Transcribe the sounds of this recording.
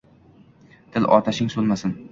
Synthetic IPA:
t̪ʰɪlʔɒ̰ɾt̪ʰaʃɪŋsolmasɪn

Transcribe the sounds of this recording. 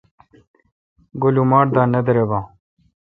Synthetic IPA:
ɡulumaːʈ̚d̪aːnɐd̪ɐɾebãː

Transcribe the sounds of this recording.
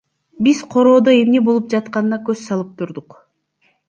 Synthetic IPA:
biz̥qʰo̞ɾo̞ːd̪oe̞mnibolˠup̚d͡ʒɑt̪qɑnɯnɑkø̞zsɑlˠɯp̚t̪ʰuɾd̪uq

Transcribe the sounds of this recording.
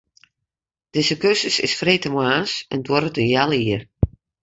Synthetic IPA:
d̥ɪzəkøsəsɪ̰sfreːtəmwaːsɛndwɔɾətənjalˠiər

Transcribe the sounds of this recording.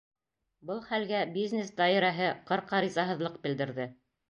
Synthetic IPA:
bɤlˠχælɡæbiznʲesd̪ɑiɾɑɦɤqɤ̆ɾqɑɾizɑɦɤ̆ðlˠɤq̚bɘ̆ld̪ɘ̆ɾðɘ

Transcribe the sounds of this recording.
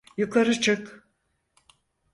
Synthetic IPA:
juklˠaɾɯt͡ʃʰɯk

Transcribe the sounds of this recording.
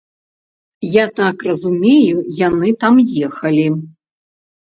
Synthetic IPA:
jat̪akrɐzumʲejujanɨt̪amjɛxɐlʲi

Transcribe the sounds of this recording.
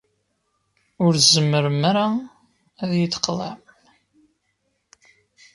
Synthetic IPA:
ʊɾzəmːəɾəmaɾa | æðjəθə̥qðˤæ̰m

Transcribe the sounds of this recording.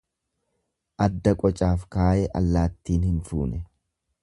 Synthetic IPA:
ʔɐd̪ːɐkʼɔt͡ʃʼaːfkaːjɛʔɐ̰lːaːt̪ːiːnhɪnfṵːnɛ

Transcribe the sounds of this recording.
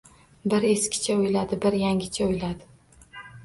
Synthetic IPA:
bɪɾe̞skʲʰɪ̥t͡ʃʰaojlad̪ɪbɪɾjaŋʲɪt͡ʃʰaojlad̪ɪ

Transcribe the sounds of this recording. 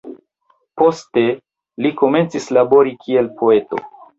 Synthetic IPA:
po̞ste̞ | liko̞me̞nt͡sislabo̞ɾikʰie̞lpʰo̞e̞to̞̰

